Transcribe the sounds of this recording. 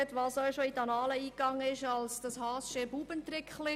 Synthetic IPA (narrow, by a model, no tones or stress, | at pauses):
tʋɑːsɔʃoitɑnɑːləiːkɑŋːəɪʃɑlsd̥ɑshɑːsʃɪbuːbənt̪ɾɪkχlɪ